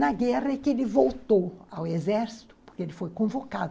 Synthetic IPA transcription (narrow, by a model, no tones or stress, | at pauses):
nɐɡɛʁɐẽkɪelɪvowt̪owawezɛɾsi̥t̪ʊ̥po̥ɾkeelɪfojkõvokad̪ʊ